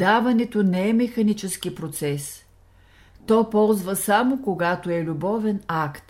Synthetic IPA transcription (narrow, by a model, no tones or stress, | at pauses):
d̪avɐnɛt̪onɛɛmɛxɐnit͡ʃɛsk̟ipɾot̪sɛs | t̪ɔpɔlˠzvəsamokoɡat̪oɛlʲubɔvɛnakt̪